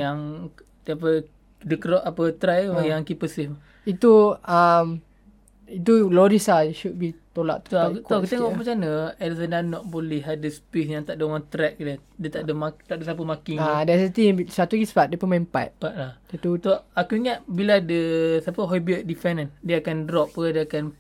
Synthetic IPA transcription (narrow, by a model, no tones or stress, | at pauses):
jaŋ | t̪apə | dəkɾɔʔapət̪ɾajujaŋkipəsihm | it̪uam | it̪̬ulɔdisaʃut̚bit̪ola̰ʔt̪oak̪okut̪eŋɔʔpat͡ʃanəɛlsədanɔʔ̪̚bolihadəspes̬jãŋt̪aʔ̚dəwãnt̪ɾɛk̚dɛ | dət̪aʔdəmat̪aʔ̚dəsap̬əmakiŋadɛsət̪ĩŋbisat̪ikispaʔ̚dəpəmãmpa̰t̪̚paʔlahdɛt̪ut̪oakuiŋaʔ̚biladəsapəɦɔjbiət̚difɛnandəakandɾɔp̚ədəakan